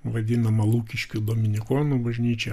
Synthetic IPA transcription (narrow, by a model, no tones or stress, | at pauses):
ʋɐd̪ʲɪnɐmɐlˠuːkʲɪʃʲkʲʊd̪oːmʲɪnʲɪkoːnubɐʒʲnʲiːt͡ʃʲɛ